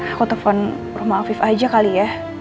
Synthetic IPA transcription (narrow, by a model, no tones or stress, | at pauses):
kɔt̪ɔfɔn | ruhmaːfifad͡ʒakalija